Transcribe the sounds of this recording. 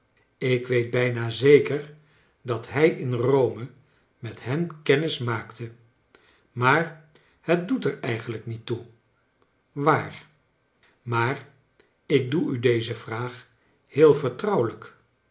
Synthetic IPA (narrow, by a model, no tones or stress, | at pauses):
ɪkʋejd̚bɛjnaːzejkəɹ | dɑtɦɛjɪnrowmə | mɛtɦɛnkɛnɪsmaːktə | maːɹ | hət̚dutɛɹɛjχənləknitːu | ʋaːr | maːr | ɪk̚duydejzəvraːχ | hɪːlˠvəɹtrʌwlək